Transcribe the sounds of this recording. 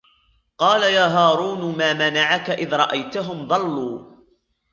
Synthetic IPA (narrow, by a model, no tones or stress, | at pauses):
qɑːlajaːɦaːɾˤuːnmaːmanaʕakaʔɪðɾˤɑ̰ʔajt̪aɦʊmðˤɑlːuː